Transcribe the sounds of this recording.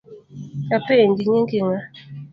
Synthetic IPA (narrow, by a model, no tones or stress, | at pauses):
apendiɲeŋɡiŋa